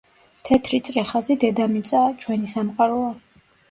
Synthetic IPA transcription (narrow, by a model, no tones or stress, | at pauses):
t̪ʰɛt̪ʰɾit̪sʼɾɛχazid̪ɛd̪amit̪sʼat͡ʃʰwɛnisamqʼaɾɔa